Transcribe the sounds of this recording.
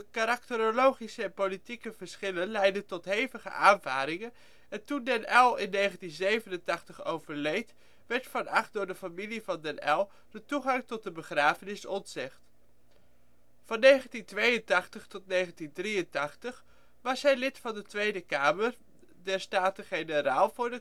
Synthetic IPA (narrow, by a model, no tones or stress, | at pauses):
kaɾɑk̚təɾolowχisəɛnpolitikəv̥əɹsχɪlənlɛjdəntɔtɦejvəχə̰ʔaːnvaːɾɪŋən | ɛntundɛnɛlˠɪnːejχəntinzejvənəntɑχtəχo̰wvəɹlejt | ʋɛɹtfɑnɑχt̚dʊːɹdəfamilivɑndɛnɛlˠ | dətuχɑŋtɔt̚dəbəχraːvənɪsɔntsɪχt | fɑnːejχəntintʋejəntɑχtəχtɔtnejχəntindriəntɑχtəχ | ʋɑsɦɛjlɪtfɑndətʋejdəkaːməɹ | dɛɹstaːtəχenəɾaːlˠvʊːɹdə